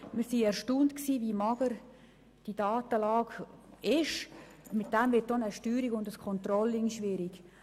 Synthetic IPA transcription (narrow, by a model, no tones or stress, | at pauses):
miɾsiɛɾʃtuːntksiːvimɑɡ̥əɾ | d̥idɑːtəlɑːɡɪʃ | mɪt̚d̥ɛmvɪt̚ːonəʃtyːɾiɡʊndəskʰɔnt̪rɔlɪŋʃʋɪɾiɡ̥